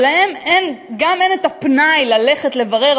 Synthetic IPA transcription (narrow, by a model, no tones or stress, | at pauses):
lahemenɡame̞netapnajlale̞χetle̞vaʁe̞